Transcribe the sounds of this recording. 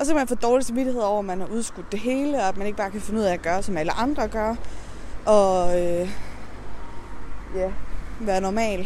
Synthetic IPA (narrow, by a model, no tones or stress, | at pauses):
ɒs̬ɒ̽kʰæmænfo̰ːd̥ɒːlisemʋiɾihe̝ð̞̰ˠɒʊ̰æmænhɑ̈uð̞ˠsɡ̥ud̥ːe̝ɦe̝ːləɒ̽æd̥mæne̝ɡ̥ə̥b̥ɑ̈ːkʰæfe̝nuð̞̰ˠɛææɡ̥ɶːɐsɒ̽mæləʔɑ̈nd̥ʁɐɡ̥ɶɐ | ʔɒ̽ø | jæʋæːɐnɒmɛ̰ːl